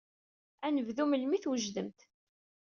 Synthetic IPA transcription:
ænəvðuməlmiθwəʒðəmt̪

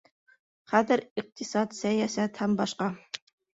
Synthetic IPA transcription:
χæðɘɾiq̚t̪ʰisɑt̪sæjæsæt̪hæmbɑʃqɑ

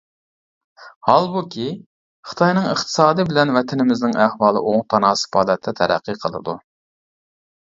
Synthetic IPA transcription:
hɑlˠbukʲʰi | χə̥t̪ʰɑjnɨŋəχt̪ʰɨ̥sɑːd̪ɨbɪlɛnvɛt̪ʰɪnɪmɪznɪŋæhwɑːlˠə̰ʔoŋt̪ʰɑnɑːsə̥pɑːd̪ɛt̪ʰːɛt̪ʰɛɾæ̰qʰːɨqʰəlˠɨ̰d̪u

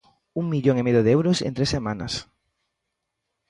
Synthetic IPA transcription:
uŋmiʎoŋemeðjoðeewɾosḛnt̪ɾesemãna̰s

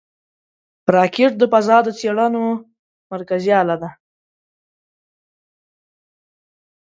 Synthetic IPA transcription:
pɾɑkeʈ̚d̪əpazɑd̪ət͡seɽano | maɾkazjɑlad̪a

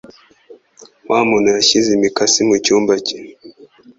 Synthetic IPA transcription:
wamunaaʃizimikasimut͡ʃumbat͡ʃi̥

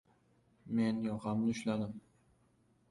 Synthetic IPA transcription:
me̞njɒqʰɑmnɪʊʃlad̪ɪm

